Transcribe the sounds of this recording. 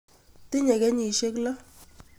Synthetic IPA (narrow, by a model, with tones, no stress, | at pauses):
ti˦ɲɛ˨kɛ˦ɲi˨ʃe˦kla˦